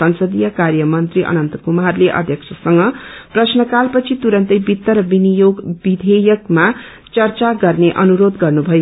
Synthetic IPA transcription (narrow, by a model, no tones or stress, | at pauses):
ʌnsʌd̪ijʌkarjʌmʌnt̪riʔʌ̰nʌnt̪ʌkumarleʔʌ̰d̪ʱjʌkt͡sʰʌsʌŋɡʌprʌsnʌkalpʌt͡sʰit̪uɾʌnt̪ʌjbit̪ːʌɾʌbinijoɡbid̪ʱejʌkma | t͡sʌrt͡saɡʌrneʔʌnuɾod̪ɡʌrnubʱʌjo